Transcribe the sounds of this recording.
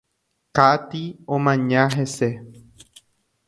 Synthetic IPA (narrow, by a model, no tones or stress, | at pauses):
kat̪iõmãɲãɦe̞se